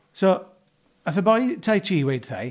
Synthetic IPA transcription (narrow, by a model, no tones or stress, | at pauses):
so | əθəbɔjtʰajt͡ʃʰiːwejd̥θaj